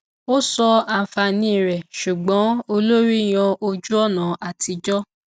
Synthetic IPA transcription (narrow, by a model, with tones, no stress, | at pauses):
o˦sɔ˧a˧˨fa˧nĩ˦˨ɾɛ˨ʃu˨ɡ͡bɔ̃˨˦o˧lo˦ɾi˦˨j̃ã˧ʔo˧d͡ʒu˦ɔ˦˨nã˨ʔa˨ti˧d͡ʒɔ˦